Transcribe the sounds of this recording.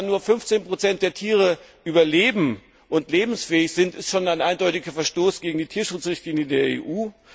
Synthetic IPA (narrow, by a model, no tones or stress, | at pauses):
nːuːɐfʏnft͡seːnpʁ̥ot͡sɛnt̚d̥eːɐtʰiːʁ̞əʔyːbɐleːbm̩ | ʔʊntleːbm̩sfɛːɪçz̥ɪntɪstʃoːnaɪnʔaɪndɔʏtɪɡɐfɛɐʃtoːsɡ̥eːɡŋ̩diːtʰiːɐʃʊt͡sʁɪçtliːnjədeːɐḛːʔuː